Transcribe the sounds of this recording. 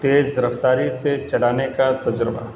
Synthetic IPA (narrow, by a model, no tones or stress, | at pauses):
t̪eːzɾɐft̪aːɾiset͡ʃɐɽaːnekat̪ɐd͡ʒɾəba̰